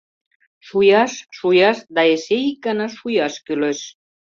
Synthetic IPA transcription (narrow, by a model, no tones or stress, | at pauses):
ʃujɑʃːujɑʃd̪ɑesekanɑʃujɑʃkyløʃ